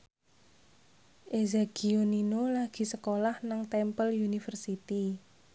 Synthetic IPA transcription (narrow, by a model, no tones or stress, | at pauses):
ʔezeɡ̥i̤oninolaɡ̥i̤səkolahnaŋt̪ɛmpəljunifərsit̪i